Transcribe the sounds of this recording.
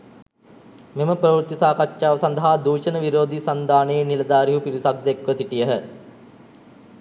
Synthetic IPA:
meməprɐʋɾt̪ːisaːkatːʃaːʋəsɐnd̪ɐɦad̪uːʃənəʋiɾoːd̪isɐnd̪aːneːnilɐd̪aːɾiɦupiɾisak̚d̪ekʋəsiʈijəɦə

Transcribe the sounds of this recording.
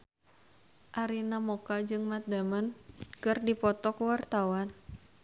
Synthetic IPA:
ʔaɾinamokad͡ʒɨŋmat̪̚d̪amankɨrdipɔt̪ɔkwart̪awan

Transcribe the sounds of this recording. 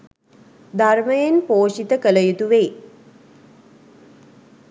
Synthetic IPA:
d̪arməjenpoːʃit̪əkələjut̪uʋeː

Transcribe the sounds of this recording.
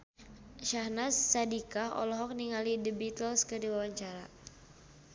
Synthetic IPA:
ʃahnasːadikaɔ̰lɔɦɔk̚niŋalidəbit̪əlskərdiwawaɲt͡ʃaɾa

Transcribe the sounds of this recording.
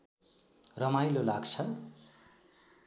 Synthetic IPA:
rʌmajlolaɡt͡sʰʌ

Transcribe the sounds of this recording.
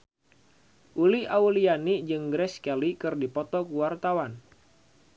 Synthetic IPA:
ʔuliaulianid͡ʒɨŋɡɾɛskalikɨrdipɔt̪ɔkuwart̪awan

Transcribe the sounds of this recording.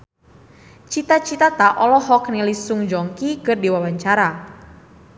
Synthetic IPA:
t͡ʃit̪at͡ʃit̪at̪aʔɔlɔhɔknilisuŋd͡ʒɔŋkikɨrdiwawaɲt͡ʃaɾa

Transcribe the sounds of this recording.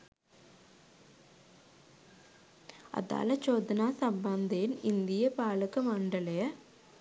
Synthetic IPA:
ɐ̰ða̰ːlɐt͡ʃoːd̪ɐnaːsɐmbɐnd̪enɪnd̪ɪjɐpaːɭɯkːɯmɐɳɖɐlɐjɐ

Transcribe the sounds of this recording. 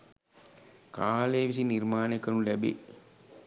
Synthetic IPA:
kaːleːʋis̬inirmaːnekənulæbḛ

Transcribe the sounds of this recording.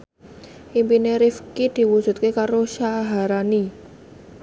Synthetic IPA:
ʔimpineɾifkid̪̥i̤wu̥ʒ̥ṳt̪̚kekaɾoʃaɦaɾani

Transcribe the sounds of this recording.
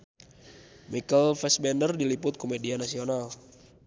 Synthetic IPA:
mikəlfɛsbɛndərdilipʊt̪̚komedianasional

